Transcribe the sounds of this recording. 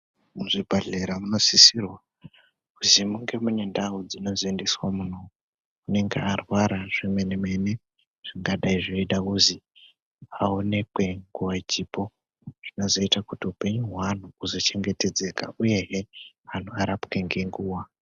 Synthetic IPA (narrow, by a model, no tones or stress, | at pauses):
muʐibʱaɮeɾamuno̞sisirwa | uzimuŋɡe̞mune̞ndaud͡zino̞zendeswamun̤o̞ | une̞ŋɡḛarwaɾaʐ̥imeneme̞ne̞ | ʐ̥iŋɡaɗaiʐoiɗauzi | aone̞kwe̞ŋɡuwaid͡ʒipo̞ | ʐ̥ino̞zo̞itakutiupe̞ɲuɦwan̤uuzo̞t͡ʃe̞ŋɡe̞te̞d͡ze̞ka̰uje̞ɦe | ɦan̤uaɾapke̞ŋɡe̞ŋɡuːwa